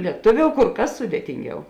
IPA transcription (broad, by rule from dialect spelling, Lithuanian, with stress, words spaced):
lʲiɛˈtʊˌʋʲoːʊ kʊr ˈkɐs ˈsʊdʲeːtʲɪŋʲˌɡʲɛʊ